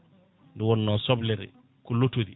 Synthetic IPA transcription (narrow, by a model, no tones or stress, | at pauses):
ndɛwɔnːɔsɔblɛɾɛ̰ | kɔlotodi